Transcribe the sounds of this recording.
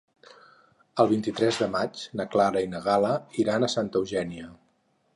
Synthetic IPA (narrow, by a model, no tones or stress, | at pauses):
əlˠβ̞int̪it̪ɾɛzðəmad͡ʒnəklaɾəinəɣ̞aləiɾanəsant̪əwʒɛniə